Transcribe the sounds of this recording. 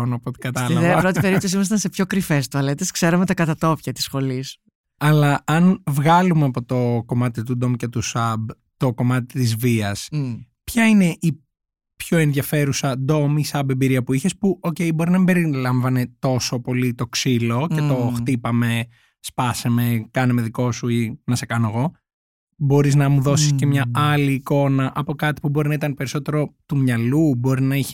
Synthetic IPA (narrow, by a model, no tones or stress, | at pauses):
onopot̪ikɡɐt̪ɐlɐðɐpɾot̪ipe̞ɾipt̪os̬imɐs̬it̪ɐnse̞pço̞kɾifest̪uɐlet̪eskse̞ɾɐmet̪ɐkɐt̪ɐt̪o̞pçɐt̪i̥sxo̞lis | ɐlɐɐnvɣɐlumeɐpo̞t̪o̞ko̞mɐt̪it̪ud̪o̞mcet̪usɐb | t̪o̞ko̞mɐt̪i̥t̪izviɐs | pçɐine̞ʔi | pço̞e̞nðʝɐfe̞ɾusɐd̪o̞misɐbebiɾiɐpuiçespuʔo̞ce̞ibo̞ɾinɐbe̞ɾilɐɱvɐne̞t̪o̞so̞po̞lit̪o̞ksilo̞ce̞t̪o̞xt̪ipɐme̞ | spɐseme̞kɐnemeðiko̞suinɐse̞kɐnoɣo̞ | bo̞ɾiznɐmuðo̞sisce̞mɲɐɐliːko̞nɐʔɐpo̞kɐt̪i̥pubo̞ɾinɐit̪ɐnpe̞ɾiso̞t̪e̞ɾo̞t̪umɲɐlubo̞ɾinɐiçi̥